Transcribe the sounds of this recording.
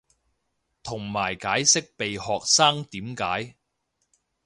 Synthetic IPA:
t̪ʰʊ˨˩ŋmaː˨˩jkaː˨˥jsɪ˥k̚pe˨jhɔː˨k̚saː˥ŋt̪iː˨˥mkaː˨˥j

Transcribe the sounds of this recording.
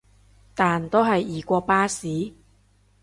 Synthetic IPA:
t̪aː˨nt̪o˥wɦɐ˨jiː˨˩kʷɔː˧paː˥siː˨˥

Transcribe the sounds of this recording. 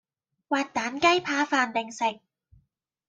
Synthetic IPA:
waː˨˩t̚t̪aː˨˥nkɐ˥jpʰaː˧faː˧nt̪ɪ˨˩ŋsɪ˨k̚

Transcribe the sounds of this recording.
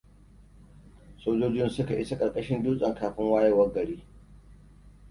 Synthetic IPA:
soː˦d͡ʒoː˦d͡ʒɪ˦nsʊ˦ka˨ʔɪ˦sa˦kʼɐ˨ɽkʼɐ˦ʃɪ˦nduː˦sʼɐ˨ŋkaː˨ɸɪ˦ŋwaː˦jɐ˦˨wɐ˦ɡɐ˨ɽiː˦

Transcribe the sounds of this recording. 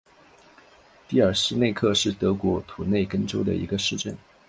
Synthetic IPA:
t̪i˥˩ə˞˨˩sɻ̩˥ne˥˧ɪkʰɤ˥˧ʂɻ̩˥˩t̪ɤ˧˥kwɔ˧˥t̪ʰu˨˩ne˥˩ɪkə˥nʈ͡ʂo˥ʊd̪ə̰˨ʔḭ˧˥ɡə˧ʂɻ̩˥˧ʈ͡ʂə̰˥˩n

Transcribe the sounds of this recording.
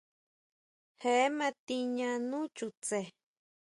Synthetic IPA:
he˨e˦mã˧t̪i˧ɲã˧nũ˦t͡ʃu˧t͡se˨

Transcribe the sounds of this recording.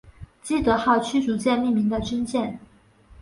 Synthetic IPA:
t͡ɕi˥˩t̪ɤ˧˥xɑ˥˩ʊt͡ɕʰy˥t͡su˧˥t͡ɕjɛ˥˧nmi˥˩mi˧˥ŋd̪ə˨˧t͡ɕi˥nt͡ɕjɛ˥˩n

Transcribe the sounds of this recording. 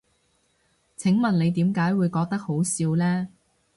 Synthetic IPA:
t͡sʰɪ˨˥ŋmɐ˨nle˨˧jt̪iː˨˥mkaː˨˥jwuː˨˧jkɔː˧k̚t̪ɐ˥k̚ho˨˥wsiː˧wlɛː˥

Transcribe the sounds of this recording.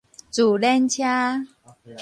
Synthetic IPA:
t͡su˨˩lɛ˦nt͡ɕʰja˦

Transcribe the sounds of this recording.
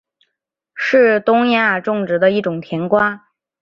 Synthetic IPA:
ʂɻ̩˥˩t̪ʊ˥ŋja˥˩ʈ͡ʂʊ˥˩ŋʈ͡ʂɻ̩˧˥d̪ə˧i˥˩ʈ͡ʂʊ˨˩ŋt̪ʰjɛ˧˥nkwa˥

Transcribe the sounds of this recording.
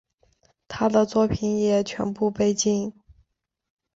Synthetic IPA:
t̪ʰa˥d̪ə˨t͡swɔ˥˩pʰi˨˧˩njɛ˨˩t͡ɕʰɥɛ̰˧˥npu˥˧pe˥˧ɪt͡ɕi˥˩ŋ

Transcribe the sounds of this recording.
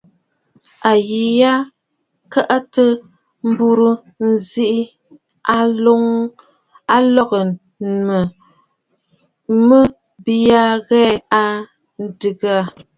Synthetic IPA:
a˨ji˨ja˦ | ka˦ʔa˦tə˦ | m̩˦bu˦ɾu˦ | n̩˨zi˦ʔi˦ | a˦lo˦ŋ | a˦lɔ˦ɣə˨ | mə˨ | mə˦ | bi˦a˦ɣɛ˦a˦ | n̩˦dɨ˨ɡa˦˨

